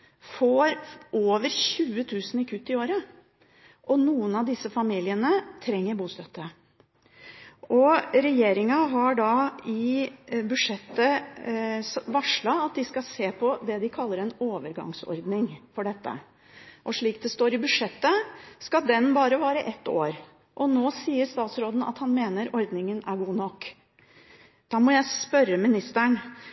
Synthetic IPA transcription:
foːɾʔoːʋəɾçʉːət̪ʰʉːsnɪkʰʉt̪ːɪoːɾə | ʔɔnuːənɑʋd̪ɪsːəfɑmiːlɪənət̪ʰɾɛŋːəɾbuːst̪œt̪ːə | ʔɔɾɛjeːɾɪŋɑɦɑɖɑɪbʉʂɛt̪ːə | sʋɑʂɭɑɑt̪̚d̪ɪskɑseːpʰɔd̪ɛd̪ɪkʰɑlːəɾɛnoːʋəɾɡɑ̰ŋsɔ̰ɾd̪nɪŋfɔɖɛt̪ːə̰ | ʔɔʂɭiːk̚d̪ɛst̪oːɾɪbʉʂɛt̪ːəskɑd̪ɛnbɑːɾəʋɑːɾəʔɛt̪ːo̰ːɾ | ʔɔnoːsiːəɾst̪ɑːt̪sɾoːd̪n̩ɑ̰t̪hɑnmeːnəɾɔɾd̪nɪŋənæɾɡuːnɔkː | d̪̥ɑːmɔjæɪspœɾəmɪnɪst̪əɳ

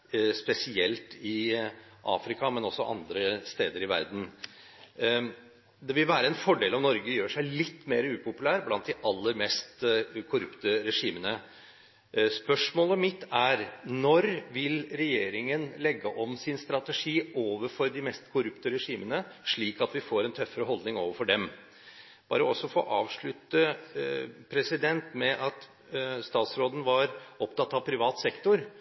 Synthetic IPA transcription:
spɛsɪɛlt̪ɪʔɑ̰ːfɾɪkɑmɛnɔsːɔʔɑ̰nd̪ɾəst̪eːd̪əɾɪʋæ̰ɾd̪n̩ | d̪ɛʋɪlʋæːɾəɛnfɔɖeːlɔmnɔɾɡəjøːʂæɪlɪt̪ːmeːɾəʉːpʊpʉlæːɾblɑnt̪̚d̪ɪʔɑlːəɾmɛst̪kʰʊɾʉpt̪əɾɛʂiːmənə | spœʂmoːləmɪt̪ːæɾnɔɾʋɪlɾɛjeːɾɪŋənlɛɡːəʔɔmsɪnst̪ɾɑt̪əʂiːoːʋəɾfɔɾd̪ɪmɛst̪kʰʊɾʉpt̪əɾɛʂiːmənəʂɭiːkɑt̪ʋɪfoːɾɛnt̪ʰœfːəɾəɦɔld̪nɪŋoːʋəɾfɔɖɛm | b̥ɑ̰ːɾəɔsːɔfo̰ːʔɑːʋʂɭʉt̪ːə | pʰɾɛsɪd̪ɛnt̪mɛʔɑt̪ | st̪ɑːt̪sɾoːd̪ən̩ʋɑɾɔpt̪ɑt̪ːɑʋpʰɾɪʋɑːt̪sɛkt̪ʊɾ

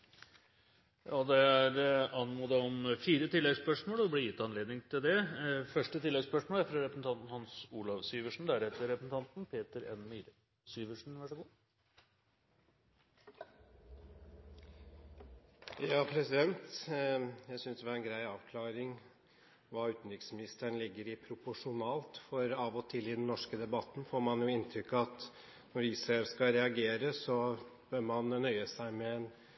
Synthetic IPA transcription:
jɑd̪ɛæɾɑnmuːd̪ɛɔmfiːɾət̪ʰɪlːɛɡspœʂmoːlɔblɪjɪt̪ːɑnleːd̪nɪŋt̪ʰɪld̪ɛfœʂʈət̪ʰɪlːɛɡspœʂmoːlæfɾɑɾɛpɾəsn̩t̪ɑnt̪n̩hɑnsuːlɑʋsyːʋəʂɳ̩d̪æɾɛt̪ːəɾɛpɾəsn̩t̪ʰɑnt̪npʰeːt̪əɾɛ̰nmiːɾə | syːʋəʂɳ̩ʋæʂəɡuː | jɑːpʰɾɛsɪd̪ɛnt̪ | jæɪsʏnsd̪ɛʋɑɾɛnɡɾæɪɑːʋkʰlɑːɾɪŋ | ʋɑːʉːt̪n̩ɾʏksmɪnɪst̪əɳlɪɡːəɾɪpʰɾʊpʊʂʊnɑːlt̪fɔɾɑːʋɔt̪ʰɪlɪd̪ɛnːɔʂkəd̪ɛbɑt̪ːn̩foːɾmɑnjʊɪnt̪ʰɾʏkːɑt̪ | nɔɾiːsɑɛlskɑɾɛɑɡeːɾəsɔb̥øːɾmɑnnœʏəsæɪmɛɛn

